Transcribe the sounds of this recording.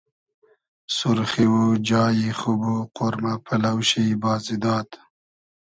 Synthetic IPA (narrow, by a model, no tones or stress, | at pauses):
sʊɾχiwud͡ʒɑːjiχubuqʊɾmapʰalawʃibɑːzid̪ɑːt̪